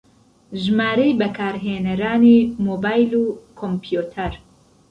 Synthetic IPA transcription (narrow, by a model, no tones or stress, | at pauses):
ʒmaːɾɐjbɐkʰaːɾɦeːnɐɾaːnimoːbaːjluːkʰompjut̪ʰɐɾ